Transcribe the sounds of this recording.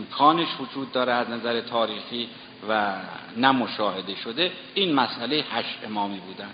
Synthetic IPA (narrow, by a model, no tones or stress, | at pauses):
mkʰɒːneʃvod͡ʒuːd̪ːɒːɾeæznæzæɾet̪ʰɒːɾiːxiː | vænæmoʃɒːhe̞d̪e̞ʃod̪e̞ | iːnmæsʔælejehæʃʔemɒːmiːbuːd̪ænd̪